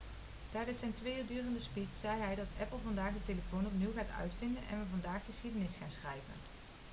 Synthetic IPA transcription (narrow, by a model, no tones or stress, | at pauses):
tɛjdənsɛjntʋeːjyːɹdyːrəndəspitsɛjɦɛjdɑtɛpəlˠvɑndaːχdəteləfownɔpniwɣaːtœ̰ɥtfɪndənʔɛ̰nʋəvɑndaːxːəsxidənɪsχaːnsxrɛjvə̰n